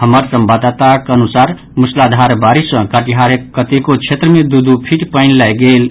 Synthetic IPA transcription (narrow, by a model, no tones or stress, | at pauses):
həməɾsəmbad̪at̪akənusaɾ | muslad̪ʱaɾbaɾisə̃kaʈiɦaɾekːət̪ekot͡ʃʰet̪ɾəmed̪ud̪upʰiʈpəɪnlajɡel